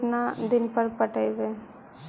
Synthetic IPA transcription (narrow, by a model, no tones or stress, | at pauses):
nad̪ɪnpəɾpəʈəiʋe